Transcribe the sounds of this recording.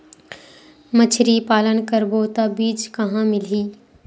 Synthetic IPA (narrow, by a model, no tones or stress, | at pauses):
mət͡ʃʰɾipaːlənkəɾbot̪abiːt͡ʃkɐɦãmɪl̤iː